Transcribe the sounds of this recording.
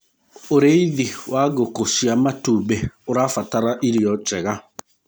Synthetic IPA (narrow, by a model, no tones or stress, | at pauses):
oɾeiðiwaɣokosiamatubeoɾafataɾaʔiɾiɔt͡ʃɛɣa